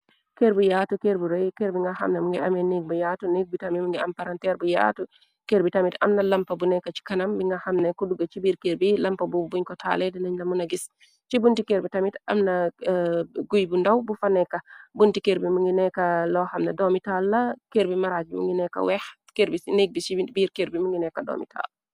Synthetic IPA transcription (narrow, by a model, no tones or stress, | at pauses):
keɾbujatukeɾbuɾɔjkeɾbiŋɡaha̰mnamuŋɡɛamɛniɡ̚bujatuniɡ̚bitamimuŋɡɛampaɾantɛɾbuja̰tu | keɾbitamita̰mnalampabunɛkat͡ʃi̥kanambiŋɡahamnakuduɡat͡ʃibiɾkeɾbilampabubuɲkɔtʰa̰lɛdɛnaɲlamunaɡis | t͡ʃibuntikeɾbitamita̰mna | ɡujbundawbufanɛkabuntikeɾbimuŋɡinɛkalɔhamnadɔmitalːakeɾbimaɾad͡ʒimṵŋɡinɛka̰wɛh | keɾbineɡ̚bisibiɾkeɾbimuŋɡɛnɛkadɔ̰mḭtʰa̰l